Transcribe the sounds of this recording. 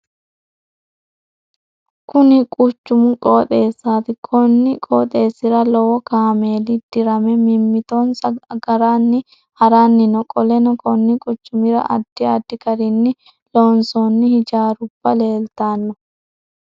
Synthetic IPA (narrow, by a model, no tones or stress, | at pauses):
kʊnɪkʼʊt͡ʃːʊmʊkʼoːt̪ʼe̞ːsːaːt̪ɪkʰɔnːɪkʼoːt̪ʼe̞ːsːɪɾɐlɔwɔkaːme̞ːlɪd̪̥ɪɾɐmɛmɪmːɪt̪onsɐɡɐɾanːɪ | hɐɾanːɪnɔkʼɔlɛnɔkʰʼɔnːɪkʼʊt͡ʃːʊmɪɾɐ̰ʔɐ̰d̪̥ːɪɐd̪ːɪkɐɾɪnːɪ | loːnsɔnːɪhɪd͡ʒaːɾʊb̥ːɐle̞ːlt̪aːnːɔ